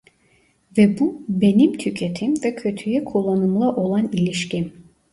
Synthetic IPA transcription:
vɛbube̞nimt̪ʰycʰe̞t̪ʰimvɛcʰø̞t̪ʰyjɛkʰolˠanumlˠaʔo̞lˠanilʲiʃcim

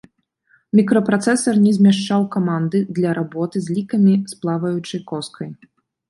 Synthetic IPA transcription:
mʲikɾɔpɾat̪sɛsɐrnʲɛzʲmʲaʂt͡ʂawkamand̪ɨd̪lʲɐɾʔabɔt̪ɨzʲlʲikɐmʲisplˠavɐjut͡ʂɨjkɔskʰɐj

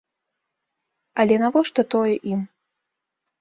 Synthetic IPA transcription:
ɐlʲɛnavɔʂt̪ɔt̪ɔjɛʔim

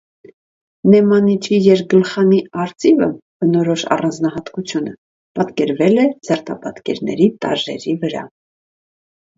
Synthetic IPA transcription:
nɛmɑnit͡ʃʰijɛɾɡəlχɑniɑɾt͡sivə̰b̥ənɔɾɔʃɑ̰rɑnd͡znɑɦɑt̪kut͡sʰjunə | pɑt̪kɛɾvɛlɛd͡zəɾt̪ʰɑpɑt̪kɛ̰ɾnɛ̰ɾit̪ɑ̰ʒɛ̰ɾivəɾɑ̰

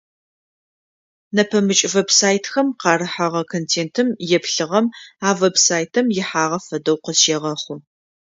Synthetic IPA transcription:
nɐpʰɐmɨt͡ʃʼvebsaːjtʰxɐmqɑːɾɨħaʁɐkʰoːntʰeːntʰɨmjɛpɬɨʁɐmaːvebsaːjtʰɨmjɪħaːʁɐfɐdɐwqəzʃeːʁɐχʷʊ

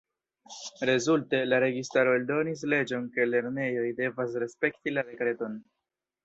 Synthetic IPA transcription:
ɾe̞zulte̞laɾe̞ɡistaɾo̞eldo̞nis̬le̞d͡ʒo̞nke̞le̞ɾne̞jo̞jde̞vas̬ɾe̞spe̞ktilade̞kɾe̞to̞n

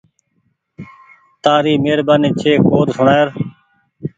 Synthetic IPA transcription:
t̪aːɾiːmeːɾbaːniːt͡ʃʰeːkoːd̪sʊɳaːjəɾ

